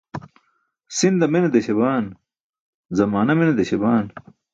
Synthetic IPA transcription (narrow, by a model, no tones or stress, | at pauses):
sind̪ɐminɐd̪eɕebaːn | zɐmaːnɐmenɐd̪eɕebaːn